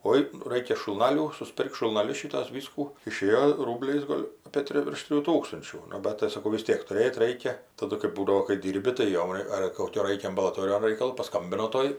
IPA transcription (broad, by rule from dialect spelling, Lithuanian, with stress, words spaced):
ˈoːɪ ˈrɐɪkʲɛ ʃʊlˠˈnɑːlʲuː sʊsʲˈpʲɪrk ʃʊlˠnɐˈlʲʊs ˈʃʲiːtuɔs ˈʋʲiːskuː ɪˈʃʲeːjoː ˈruːbʲlʲɛɪs ˈɡoːlʲ ɐpʲeː ˈtʲrʲɪ ʋʲɪrʃ ˈtʲrʲɪjuː ˈtuːkstʊnʲt͡ʃʲuː nʊ ˈbɐt tɐɪ sɐˈkɐʊ ʋʲɪs ˈtʲiɛk tʊˈrʲeːt ˈrɐɪkʲɛ tɐˈdʊ kɜp ˈbuːdɐʋoː kɐɪ ˈdʲiːrʲbʲɪ tɐɪ ˈjoːm ɐr koːˈkʲoː ˈrɐɪkʲɛ ɐmbɐlˠɐˈtoːrʲɪjoːn ˈrɐɪkɐlˠoː pɐˈskɐmʲbʲɪnoː ˈtoːj